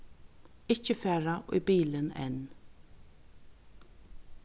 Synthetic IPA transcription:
ɪt͡ʃəfɛːɹaʔʊ̰jbiːlənɛ̰n

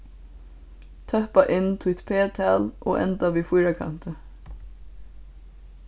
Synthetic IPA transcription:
t̪ʰœhpaʔɪnːt̪ʰʊt̪pʰeːt̪ʰæːlʔo̰ːʔɛ̰nt̪aʋiːfʊjɾakʰa̰nt̪ə

